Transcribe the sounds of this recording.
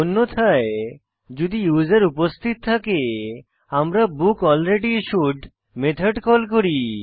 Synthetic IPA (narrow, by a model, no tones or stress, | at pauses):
onːot̪ʰae | d͡ʑud̪ijuzeɾupost̪ʰit̪̚t̪ʰake | amɾabukɔlɾeɖiʃuɖ | met̪ʰaɖkɔlkoɾi